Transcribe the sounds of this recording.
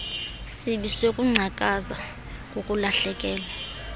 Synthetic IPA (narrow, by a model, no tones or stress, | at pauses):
siɓisekʼuŋ͡ǀʱakʼaza | kʼokʼulaɬɛkʼɛːla